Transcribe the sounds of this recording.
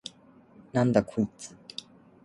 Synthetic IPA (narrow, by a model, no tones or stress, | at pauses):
nãnd̪akʰoit͡sɨ̥